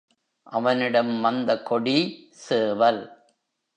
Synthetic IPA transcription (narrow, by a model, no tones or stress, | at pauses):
ʔɐʋɐnɪɽɐmːɐnd̪ɐkːɔɽi | seːʋɐl